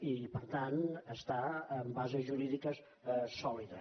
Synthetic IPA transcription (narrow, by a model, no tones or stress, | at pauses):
ipəɾt̪anəst̪aəmbazəzʒuɾiðikəs | sɔliðə